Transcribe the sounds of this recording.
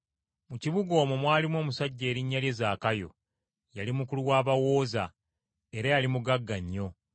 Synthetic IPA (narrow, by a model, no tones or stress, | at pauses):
muciβuɡo̞ːmumwaːlimwo̞ːmusaɟːe̞ːɾiɲːalje̞zaːkajo̞̰ | jalimukuluwaːβawo̞ːza̰ | e̞ɾajalimuɡaɡːaɲːo̞